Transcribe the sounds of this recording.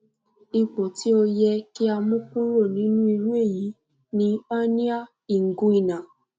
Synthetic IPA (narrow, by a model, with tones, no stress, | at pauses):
i˧k͡po˨tʰi˦o˧jɛ˧ki˦a˧mũ˦k͡pũ˦ɾo˦˨nĩ˨˦nũ˦i˧ɾu˦e˦˨ji˨˦ | nĩ˦a˦nĩ˦a˦˨ | i˨ŋ̩˨ɡũ˦i˦˨nã˨